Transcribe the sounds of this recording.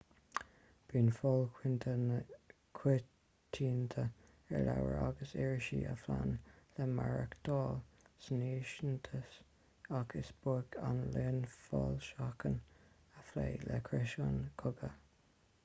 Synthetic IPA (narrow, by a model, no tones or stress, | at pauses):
b̥iːnfɔlkʰwɪnt̪ʰə | kʰwe | tʰːiːnt̪ʰə | ɛɹlawəɹaɡəsɛɹʃiːʔəflanlɛmaɹəkd̪̥ɔːl | sneːʃənt̪ʰəs | akʰɪsb̥ukʰanleːnfɔːlʃakʰən | əfleːlɛkʰɾɛʃonkʰʊɡə